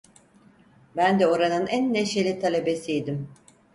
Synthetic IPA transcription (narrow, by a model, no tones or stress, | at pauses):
bænd̪ɛo̞ɾanɯnænːeʃelʲit̪ʰalʲebe̞sijd̪im